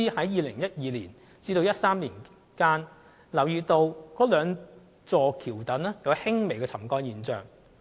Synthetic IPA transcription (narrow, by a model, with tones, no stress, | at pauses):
i˥hɐ˨˥jjiː˨˧lɪ˨˩ŋjɐ˥t̚jiː˨˧liː˨˩n | t͡siː˧t̪o˧wjɐ˥t̚saː˥mliː˨˩n | kaː˥n | lɐ˨˩wjyː˨˧t̪o˧wkɔː˨˥lœː˨˧ŋ | t͡sɔː˨˧kʰiː˨˩wt̪ɐ˨˥nɛ˥jɐ˨˧whɪ˥ŋme˨˩jkɛː˧t͡sʰɐ˨˩mkɔː˧njiː˨˩nt͡sœ̰ː˨ŋ